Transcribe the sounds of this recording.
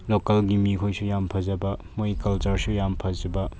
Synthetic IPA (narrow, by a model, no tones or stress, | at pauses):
lokɐlɡimikʰojsujampʰɐzɐbɐmojkɐlt͡ʃɐɾsujampʰɐd͡ʒɐbɐ